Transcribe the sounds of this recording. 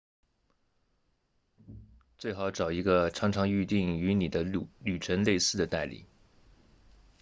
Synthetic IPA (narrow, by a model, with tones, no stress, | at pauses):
t͡swe˥˩ɪxɑ˧˥ʊʈ͡ʂɑ˨˩ʊi˧˥ɡə˧ʈ͡ʂʰɑ˧˥ŋʈ͡ʂʰɑ˧˥ŋy˥˧t̪i˥˩ŋy˧˥ni˨˩d̪ə˦ly˨˩ʈ͡ʂʰə˧˥nle˥˧ɪsɹ̩˥˩d̪ə˩t̪a˥˩ɪlḭ˨˩˦